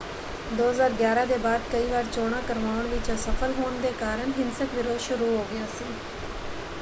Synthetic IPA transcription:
d̪oːəzaːɾɡjaːɾãːd̪eːbaːd̪̚kəiːʋaːɾt͡ʃoːɽ̃ãːkəɾʋaːʋəɳʋɪt͡ʃsəfʰəlɦoːɳd̪eːkaːɾəɳɦɪnsəkʋɪɾoːʃʊɾuːɦoːɡɪjãːsiː

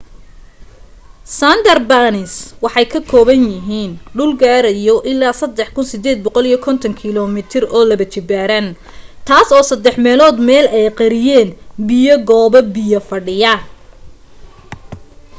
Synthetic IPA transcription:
sand̪ɐrbaːnɪswɑħɑjkʰɐkʰɔːβɐnjɪɦiːnɖʊlɡaːɾɐjɔʔɪlːaːsɐd̪ɛħkʰʊnsɪd̪ɛːd̪̚bɔqɔlijɞkʰɔnt̪ʰɐŋkʰɪlɔmɪt̪ʰɪrɔːlɐβɐt͡ʃɪbaːɾɐn | t̪ʰaːsɔːsɐd̪ɛħmɛːlɔːd̪mɛːlɛjqɑɾɪjɛːnbɪjɐɡɔːbɐbɪjɐfɐɖɪjɐ

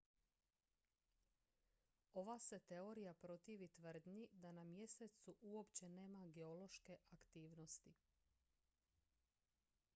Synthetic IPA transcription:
o̞ʋase̞t̪e̞o̞ɾijapɾo̞t̪iːʋit̪ʋr̩d̪ɲid̪anamje̞set̪suʔuo̞pt͡ɕe̞ne̞ːmaɡe̞o̞lo̞ʃke̞ʔakt̪iːʋno̞st̪i

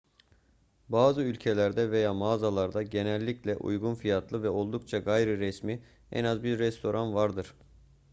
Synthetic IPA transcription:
baːzɯylʲcʰe̞lʲæɾd̪ɛve̞jaːmaːzalˠaɾd̪aɟe̞nɛlʲːiclʲɛʔṵjɡunfijat̪ʰlˠɯvɛo̞lˠd̪ukt͡ʃʰaɡajɾɯɾɛsmi | ɛ̰nazbiɾːɛst̪ʰo̞ɾʔanvaɾd̪ɯɾ̥

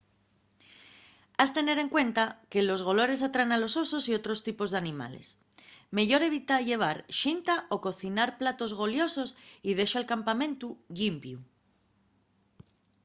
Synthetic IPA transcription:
ast̪e̞ne̞ɾe̞ŋkwe̞nt̪ake̞lo̞zɣ̞o̞lo̞ɾe̞s̬at̪ɾanalo̞so̞so̞sio̞t̪ɾo̞st̪ipo̞zðe̞anĩma̰le̞̰s | me̞ʝo̞ɾe̞βit̪aʝe̞β̞aɾʃint̪aʔo̞ko̞θinaɾplat̪o̞zɣ̞o̞ljo̞so̞sið̞e̞ʃaelkampamẽ̞nt̪uʝimbju

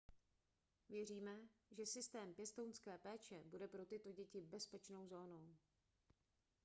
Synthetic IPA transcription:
vjɛr̝iːmɛʒɛsɪst̪ɛːmpjɛst̪ownskɛːpɛːt͡ʃɛbudɛpɾo̞t̪ɪt̪o̞ɟɛcɪbɛspɛt͡ʃno̞wzo̞ːno̞w

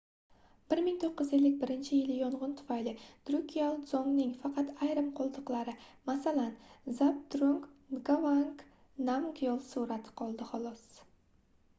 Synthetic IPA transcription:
b̥ɪɾmɪŋt̪ʰoqːɪzelːɪk̚ʲbɪɾɪnt͡ʃʰɪjɪlɪjɒɴʁʊnt̪ʰʊ̥fajlɪd̪̥ɾukʲʰialˠzoŋnɪŋfɑqʰɑt̪ajɾɪmqʰolˠd̪ɨqlˠaɾɪmasalanzap̚d̪ɾoŋk̪ɡavaŋk | namɡjolˠsuɾat̪ʰɪ̥qʰɒlˠd̪ɪχolˠɒs

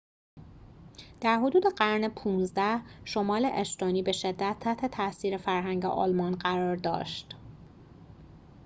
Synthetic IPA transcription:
d̪̥æɾɦo̞d̪uːd̪eɢæɾnepʰuːnzd̪æhʃomɒːleʔeʃt̪ɒːniːbe̞ʃe̞d̪ːæt̪ʰːæht̪ʰet̪ʰæsiːɾe̞fæɾɦæŋɟḛʔɒ̰ːlmɒnɢæɾɒːɾd̪ɒ̰ːʃt̪

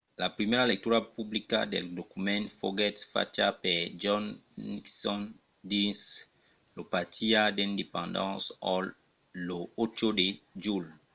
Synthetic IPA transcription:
lapɾimeɾalek̚t̪uɾapublika̰d̪ḛld̪okumɛ̃nfo̰ɡɛt̪fa̰t͡ʃaped͡ʒɔ̃nniksɔ̃n | d̪is | lopatʰiad̪eĩnd̪epãnd̪ã̰sɔl | loot͡ʃoded͡ʒul

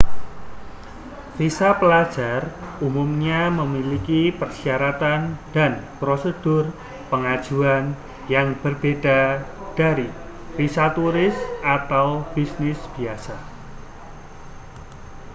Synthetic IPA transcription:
fisapəlad̥ʒ̥arumumɲaməmilikipərsiaɾat̪and̥anpɾosəd̥ʊr | pəŋad̥ʒ̥uan | jaŋb̥ərb̥ed̥a̤ | d̥a̤ɾi | fisat̪uɾɪsʔat̪awb̥isnɪsb̥i̤asa

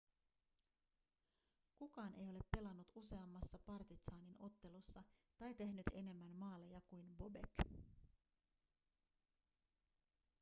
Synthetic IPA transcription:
kukɑːnʔe̞jo̞le̞pːe̞lɑnːut̪use̞ɑmːɑsːɑpɑrt̪isɑːnino̞t̪ːe̞lusːɑt̪ɑjt̪e̞hnyt̪e̞ne̞mːænmɑːlejɑkujnbo̞be̞̰k

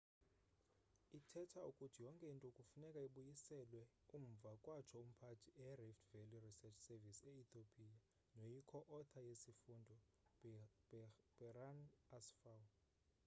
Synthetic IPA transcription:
itʰɛtʰaukʼutʰijɔŋkʼɛintʼɔukʼufunɛkʼaiɓujisɛlwɛ | um̩vʱakʼwat͡ʃʰɔum̩pʰatʰiʔɛɛriftʰveljurisɛt͡ʃʰsɛvisɛit̪ʰopʰʼija | nojikʰɔʔɔt̪ʰajesifundʱɔ̥ | b̥ɛranasfaw

